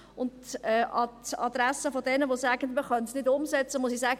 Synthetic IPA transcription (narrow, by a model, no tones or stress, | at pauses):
ʊntɛʔɑtɑ̰d̪ɾæsəfɔdɛnəʋosæːɡəndmiχœntsnɪdʊmsɛt͡səmʊsisæːɡə